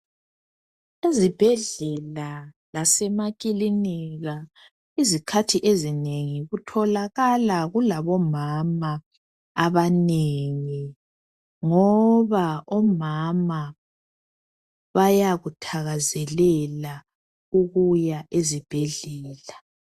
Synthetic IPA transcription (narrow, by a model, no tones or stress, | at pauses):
ezib̥ʱɛɮɛlalasɛmak̬ʼiliniɣa | izikʰatʰiʔezineŋiɣutʰɔlaɣalaɣulaβɔmamaː | βaneŋi | ŋɔβaɔmama | βajaɣutʰaɣazɛlɛla | uɣujaʔezib̥ʱɛɮɛːla